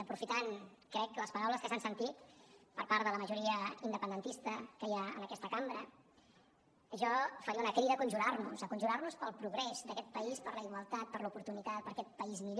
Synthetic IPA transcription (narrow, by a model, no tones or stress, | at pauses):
əpɾufit̪an | kɾɛkləspəɾawləskəsansənt̪it̪pəɾpaɾðələməʒuɾiəind̪əpənd̪ənt̪ist̪əkəjaə̰nəkɛst̪əkambɾə | əʒɔfəɾiəunəkɾiðəkunʲʒuɾarnuzəkunʲʒuɾarnuspəlˠpɾuɣɾɛzd̪əkɛt̪̚pəispəɾləiɣwəlˠt̪at̪̚pəɾlupuɾt̪unit̪at̪̚pəɾkɛt̪̚pəizmiʎ